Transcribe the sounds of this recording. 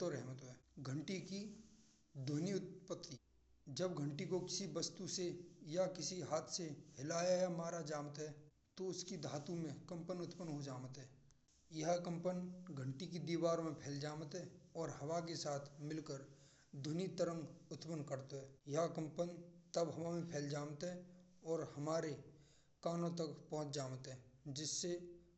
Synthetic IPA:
oɾɛɦmət̪oɛːɡʱə̃ɳʈiki | d̪ʱʊniʊt̪̚pət̪ːi | d͡ʒɐbɡʱə̃ɳʈikokɪsibɐst̪usejakɪsiɦaːt̪ʰseɦɪlaːjajamaːɾad͡ʒaːmət̪ɦɛː | t̪oʊskid̪ʱaːt̪ũmẽkɐ̃mpənʊt̪pənɦod͡ʒaːmət̪ɦɛː | jɐɦkə̃mpənɡʱə̃ɳʈikid̪iːwaːɾmẽpʰɛːld͡ʒaːmət̪ɦɛɔːɾhɐʋak̬esaːt̪ʰmɪlkəɾ | d̪ʱʊnit̪əɾə̃ŋɡʊt̪pənkəɾt̪oɦɛːjakə̃mpənt̪əbɦɐmamẽpʰɛːld͡ʒaːmət̪ɦɛ | ɔːɾhɐmaːɾe | kaːnõt̪əkpɔɦʊ̃t͡ʃd͡ʒaːmət̪ɦɛ̃ːd͡ʒɪsːe

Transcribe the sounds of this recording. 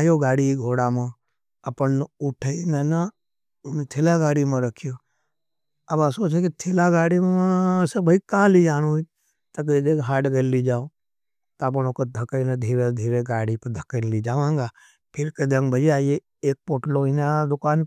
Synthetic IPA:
joːɡaːɽiɡʱoːɽamẽ | ɐpənnʊʈʰəinəna | nt̪ʰelaɡaːɽimẽɾɐkʰijoː | ɐbãsoːt͡ʃekit̪ʰelaɡaːɽimsebʱɐikãːlid͡ʒaːnui | t̪ɐk̬ːd̪eːkɦaːɖɡəllid͡ʒaːo | t̪aːp̬ɐnoːkəd̪ʱɐkəined̪ʱiːɾed̪ʱiːɾeɡaːɽipɐd̪ʱɐkənlid͡ʒaːʋãːŋɡaː | pʰɪɾked̪eŋbəd͡ʒiaːje | eːk̚poʈloːinad̪ʊkaːn

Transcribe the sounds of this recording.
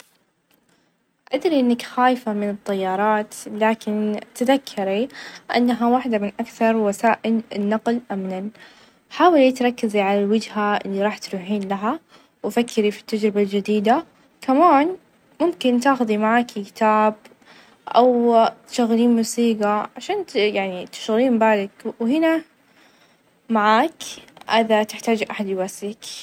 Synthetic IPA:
ʔad̪ɾiʔɪnːakxaːjfamɪnɨt̪ˤːɑjːɑːɾˤɑːt̪laːkɪnt̪aðakʰːɑɾiʔa̰nːaɦawaħd̪amɪnʔakθɑɾˤwasaːʔɪlɪnːɑqlʔamnan | ħaːwalit̪ɾˤɑkːaziʕalalwad͡ʒhaʔɪ̰lːiɾˤɑːħt̪ɾuːħiːnlaɦa | wfakːɪɾifi̥t̪ːad͡ʒɾɪbald͡ʒɪd̪iːd̪a | kʰamaːn | mʊmkɪnt̪aːxʊd̪imaʕaːkkɪ̥t̪aːb̚ | ʔa̰wt̪ʃaɣːɪliːnmusiːɡaʕaʃaːnjaʕnit̪ɪ̥ʃɣɪliːmbaːlɪkwhɪna | maʕaːkʔad̪at̪ɪħt̪aːd͡ʒʔaħad̪waslɪk

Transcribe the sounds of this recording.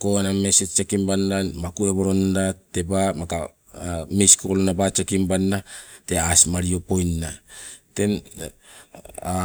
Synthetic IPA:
koaname̞set͡ʃekimbandanmakue̞bo̞ɾo̞ndate̞bamaka | miskolonabat͡ʃekimbanːate̞asmaɾio̞po̞jnate̞m

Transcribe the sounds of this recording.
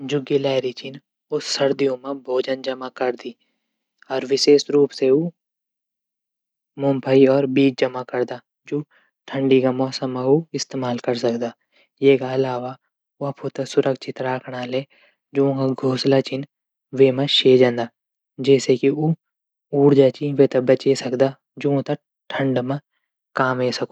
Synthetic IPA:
d͡ʒʊɡelaːɾit͡ʃɪn | ʊsːɐɾd̪ijõmẽbʱoːd͡ʒənd͡ʒɐmakɐɾd̪iː | ɔːɾʋɪʃeːsɾuːpseu | mʊ̃mpʰaiɔːɾbiːt͡ʃ̚d͡ʒɐmakɐɾd̪aː | d͡ʒoː | ʈʰə̃ɳɖikamɔːsəmːãuɪst̪eːmaːlkɐɾsɐkd̪aː | jeːkaɐlaːʋa | oɐpʰot̪ɐsʊɾʔəkʃʰɪt̪ɾaːkʰɽaleː | d͡ʒoõkaɡʱoːslat͡ʃin | ʋemɐʃeːd͡ʒə̃nd̪aː | d͡ʒɛːsekiuː | uːɽd͡ʒaːt͡ʃiʋet̪ɐbɐt͡ʃesɐkd̪aː | d͡ʒoõt̪ɐ | ʈʰɐ̃ɳɖmã | kaːmeːsɐko

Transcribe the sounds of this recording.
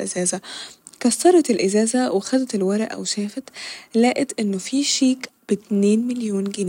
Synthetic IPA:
ʔɪzæːzæ | kɑsːɑɾˤɑt̪elʔɪzæːzæwʔexæd̪æt̪elwæɾˤʔʔæ̰wʃæːfæt̪læːʔet̪ʔɪnːofiːʃiːkb̥et̪neːnmɪljoːnɡɪn

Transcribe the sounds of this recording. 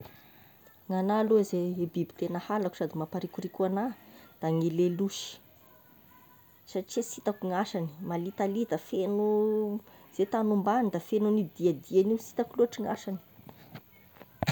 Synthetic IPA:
ŋanalozeebibi̥t̪enəhalaku̥sad̪imapaɾikuɾikʲuanad̪̥aŋileluʃi̥ | saʈ͡ʂiasit̪akuŋaʃani̥malit̪alid̪afenu | z̥et̪anumband̪afenunid̪iad̪ianiwsi̥t̪akuluaʈ͡ʂiŋa̰ʃani̥

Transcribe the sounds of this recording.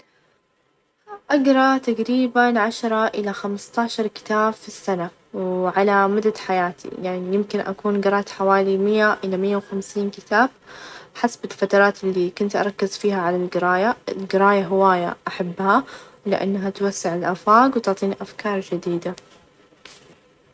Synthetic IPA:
ʔaɡɾˤɑt̪aɡɾiːbanʕaʃɾˤɑʔɪlaxamst̪ɑːʃɑɾˤkɪ̥t̪aːbfisːana | wʕalamʊd̪ad̪ħajaːt̪ʰḭjaʕnijɪmkɪnʔa̰kuːnɡɪɾˤɑːt̪ħawaːlimɪjːaʔɪlamɪjːawxamsiːnkɪt̪aːb̚ħasbɪlfat̪ɑɾˤɑːt̪ɪlːikʊnt̪ʔɑ̰ɾˤɑkːɪzfiːɦaʕalalɡɪɾɑːjaɪlɡɪɾaːjaɦɪwaːja̰ʔaħabːha | lɪ̰ʔa̰nːaɦat̪wasːɪʕɪlʔafaːɡwt̪ʊʕt̪ˤiːnʔafkɑːɾˤd͡ʒɪd̪iːd̪a

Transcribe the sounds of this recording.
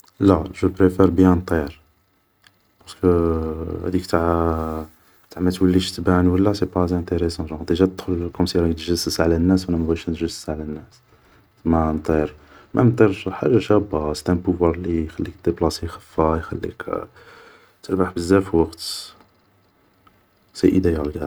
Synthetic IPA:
læʒəpɾefɛɾbjænt̪ˤiɾ | pɑɾskəhæ̰d̪ikt̪ʕ | t̪aʕməlt̪wəlːiʃt̪bænwəlːæsepɑzæ̃t̪eɾesɑ̃ʒɑ̃d̪iʒæt̪əd̪xʊlkʊmsiɾɑkt̪ʒəsəsʕlænːæswælæmæbæʃænt̪ʒəsə̥sʕlænːæs | mænt̪ˤiɾ | mʔænt̪ˤiɾʃħa̰ʒːaʃæbɑst̪æmpʊvwɑɾˤlixælːikd̪eblɑsixə̥fːajxæ̰lːḭk | t̪əɾbaħbəzːæfiwɑqt̪ | sæ̰ʔə̰d̪æjælɡæ

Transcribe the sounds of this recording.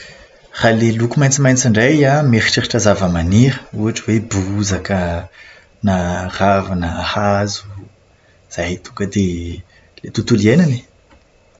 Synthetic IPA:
r̥alelukumajnt͡simajnt͡siɳɖ͡ʐajameɾiʈ͡ʂiɾiʈ͡ʂazavəmaniɾəuaʈ͡ʂəwebuzakə | naravanəahazu̥ | z̥ajt̪uŋkəd̪e | let̪ut̪ulienani̥

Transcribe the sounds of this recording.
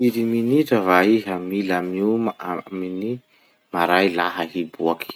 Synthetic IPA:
iɾiminiʈ͡ʂəvaiɦəmilamiummini | maɾajlaɦəɦibuaki̥

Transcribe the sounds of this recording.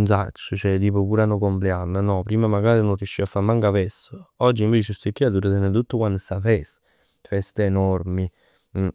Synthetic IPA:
nsa̰t͡ʃːət͡ʃɛd̪iːpokuːɾanokompleanːənɔpɾiːmamaɡaːɾinoriuʃːiafːamaŋkavɛsːoɔd͡ʒːiɱveːt͡ʃɪst̪ikːiad̪uɾət̪ɛnːət̪̬ut̪ːəkwand̪safɛs | fɛst̪eenɔɾmi

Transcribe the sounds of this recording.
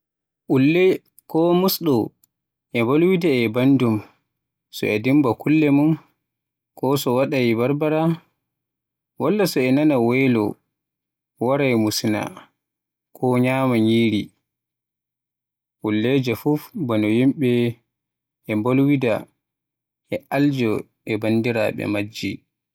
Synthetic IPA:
ʔulːɛ | kɔmusɗɔ | ʔɛmbolwidaɛbandum | sɔ̰ɛdimbakulːɛmun | kɔsɔwaɗajibaɾbaɾa | walːasɔɛnanawɛlɔ̰ | waɾajmusna̰ | kʰɔɲaːmaɲiːɾi | wulːɛd͡ʒɛfufbanɔjimɓɛ | ɛmbolwida | ɛald͡ʒɔ | ɛbandiɾaɓɛ̰mad͡ʒːi

